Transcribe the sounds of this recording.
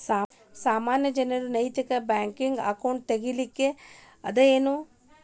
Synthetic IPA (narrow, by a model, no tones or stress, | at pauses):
saː | saːmaːnjɐd͡ʒɐnɐɾunɐit̪ɐkɐbaːŋkiŋɡa̰kɐwɳʈ̚t̪ɐɡilikːe | ɐd̪ɐeːnu